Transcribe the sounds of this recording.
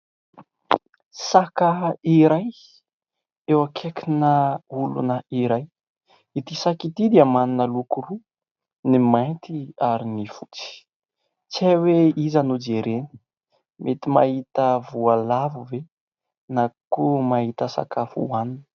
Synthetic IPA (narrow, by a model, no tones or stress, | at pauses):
sakəiɾaj | ewakʰekʰinəulṵnəiɾaj | it̪isakit̪id̪iamaninəlukuɾu | nimajt̪iaɾinifut͡si̥ | t͡saweizanud͡ʒeɾeni̥ | mʔet̪imaɦit̪əvualavuve | nakumaɦit̪əsa̰kʰafṵaninə̥